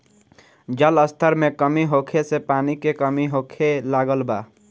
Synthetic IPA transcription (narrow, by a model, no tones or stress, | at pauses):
d͡ʒələst̪ʰəɾmekəmiɦokʰesepanikekəmiɦokʰelaɡəlba̰ː